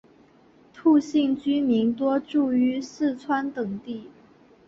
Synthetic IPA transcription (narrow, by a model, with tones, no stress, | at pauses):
t̪ʰu˥˧ɕi˥˩ŋt͡ɕy˥mi˧˥ŋt̪wɔ˥ʈ͡ʂu˥˩y˧˥sɹ̩˥˩t͡sʰwa˥nt̪ɤ˨˩ŋt̪i˥˩